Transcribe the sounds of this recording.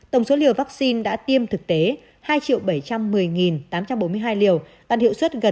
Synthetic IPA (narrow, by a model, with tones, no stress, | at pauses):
t̪ə˧˩wŋ͡mso˨˦li˨˩əwvaː˦˥k̚si˧nɗa̰ː˧˥t̪i˧əmt̪ʰɨ˨˩k̚t̪e˨˦ | haː˧jt͡ɕḭ˧˨əwɓə˧˩jt͡ɕa˧mːɨ˨˩əjŋi˨˩nt̪aː˨˦mt͡ɕa˧mɓo˨˦mɨ˧əɦaː˧jli˨˩əw | t̪aː˧˨nhḭ˧˨wswə˦˥t̚ɣə˨˩